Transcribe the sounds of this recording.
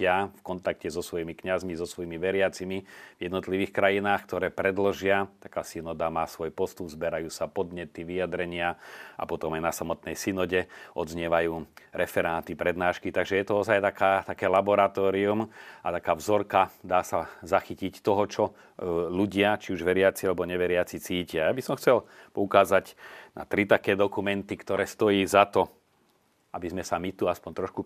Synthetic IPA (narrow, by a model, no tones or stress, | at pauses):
ɪafkɔnt̪ak̚cɛzɔsʋɔjimikɲazmizɔsʋɔjimiʋɛɾɪat͡simivjɛd̪nɔt̪liʋiːxkɾajinaːxkt̪ɔɾɛːpɾɛd̪lʒɪat̪akaːsinɔd̪amaːsʋɔjpɔst̪ubzbɛɾajuːsapɔd̪ɲɛt̪iʋijad̪ɾɛɲɪaʔa̰pɔt̪ɔmajnasamɔt̪nɛjsinɔɟɛʔɔ̰d̪zɲɛʋajuːɾɛfɛɾaːt̪ipɾɛd̪naːʃkit̪aɡʒɛjɛt̪ɔɔzajt̪akaːt̪akɛːlabɔɾat̪ɔːɾiumat̪akaːvzɔɾkad̪aːsazaxicict̪ɔɦɔt͡ʃɔ | luɟɪat͡ʃiuʒʋɛɾɪat͡sialɛbɔɲɛʋɛɾɪat͡sit͡siːcɪajabisɔmxt͡sɛlpɔukaːzaɟna̰t̪ɾit̪akɛːd̪ɔkumɛnt̪ikt̪ɔɾɛːst̪ɔjiːzat̪ɔ | ʔabizmɛsamit̪uaspɔnt̪ɾɔʃku